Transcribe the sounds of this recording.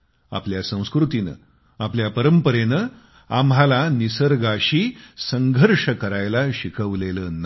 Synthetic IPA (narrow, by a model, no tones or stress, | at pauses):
a̰pljasə̃w̃skɾut̪inə̰ | apljapəɾəmpəɾenə | amɦalanisəɾɡaɕiːsəŋɡʱəɾʂəkəɾajlaɕikʰəʋleləːn